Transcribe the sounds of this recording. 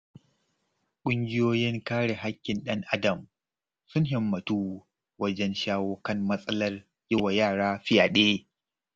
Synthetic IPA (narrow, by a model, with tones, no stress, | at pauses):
kʷʼʊ˦ŋɡʲɪ˦joː˦jɪ˦ŋkaː˦ɽe˨ɦa˦kʲːɪ˨nɗɐ˦ŋʔa˦dɐ˨m | sʊ˦nɦɪ˨mːɐ˨tuː˦ | wɐ˦d͡ʒɛ˦nʃaː˦woː˦kɐ˦mmɐ˦sʼɐ˦lɐ˦r | jɪ˦wa˨jaː˦˨ɽaː˦ɸɪ˦jaː˨ɗeː˦